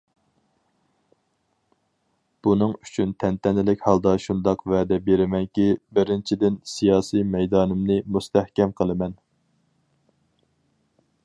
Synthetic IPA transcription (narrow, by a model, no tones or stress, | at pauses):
b̥unɨŋyt͡ʃʰynt̪ʰɛnt̪ʰɛnɪlɪkʲhɑlˠd̪ɑʃund̪ɑqvɛːd̪ɛbeɾɪmɛŋkʲibɪɾɪnt͡ʃʰid̪ɪnsijɑːsijmɛjd̪ɑːnɨmnɨmust̪ʰɛhkʲɛmqʰəlˠɨmɛn